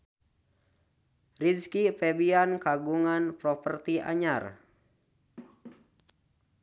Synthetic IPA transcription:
riskipɛbiankaɡuŋanpɾɔpərt̪ia̰ɲar

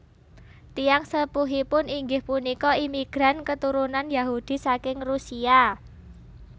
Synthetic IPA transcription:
t̪ijaŋsəpuɦipʊniŋɡɪhpunikɔimiɡ̥ɾankət̪uɾunanjaɦud̪̥i̤sakɪŋrusia

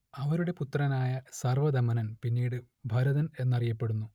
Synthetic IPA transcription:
ɐʋɐɾuɽe̞put̪ːrɐnaːjɐsɐrʋɐd̪ɐmɐnɐnpinːiːɽɨ | bʱɐɾɐðɐne̞nːɐrijɐpːe̞ɽunːu

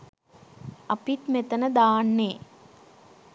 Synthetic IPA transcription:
ɐpit̪met̪ənəd̪aːnːeː

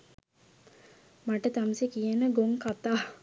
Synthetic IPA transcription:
maʈət̪amsekijənəɡoŋkat̪aː

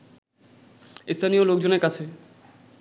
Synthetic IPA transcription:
ist̪ʰanijolok̚d͡ʑoneɾkat͡ɕʰe

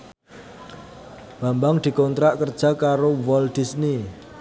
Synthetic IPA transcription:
b̥a̤mbaŋd̪̥i̤kɔnt̪ɾaʔkərd̥ʒ̥a̤kaɾowɔld̪̥i̤sni

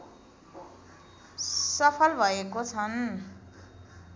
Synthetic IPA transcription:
sʌpʰʌlbʱʌekot͡sʰʌn

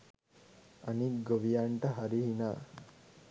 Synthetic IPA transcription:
anikɡoʋijaɳʈəɦaɾiɦinaː

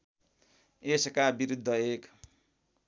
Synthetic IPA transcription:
eskabiɾud̪ʱːʌek

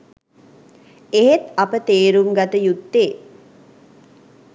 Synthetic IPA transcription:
eɦet̪ɐpət̪eːɾuŋɡat̪əjut̪ːeː

